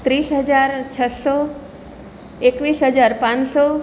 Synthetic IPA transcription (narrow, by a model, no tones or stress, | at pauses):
t̪ɾiːsɦəd͡ʒaɾt͡ʃʰəsɔ | ekʋiːsɦəd͡ʒaɾpãnsɔ